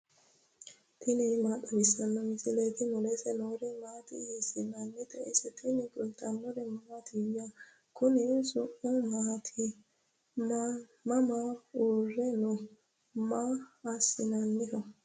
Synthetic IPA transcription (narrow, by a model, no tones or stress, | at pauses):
t̪ʰɪnɛmaːtʼːɐbɪsːɐnːɔmɪzɪlet̪ɪnɔlɛsɛnoːɾɛmaːt̪ɪ̰jisɪnɐnːɪt̪ɛɪ̰sɛt̪ʰɪnɪkʼʊlt̪ːɐnːɔɾɛmɐmat̪ʰɪwja | kʊnɪsʊʔʊmaːt̪ʰɪ | m | mɐmaoːrːɛnɔ | maːsɪnɐnːɪhɔ